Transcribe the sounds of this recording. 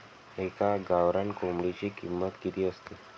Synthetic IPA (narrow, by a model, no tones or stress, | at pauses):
ekaɡaʋɾankomɽit͡ɕikimːət̪kit̪iːəst̪e